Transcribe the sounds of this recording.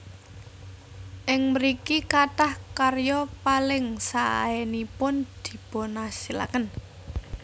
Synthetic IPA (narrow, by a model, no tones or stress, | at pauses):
ʔɪŋməɾikikaʈahkarjɔpalɪŋsaʔa̰enipʊnd̪̥i̤b̥o̤nasila̰kən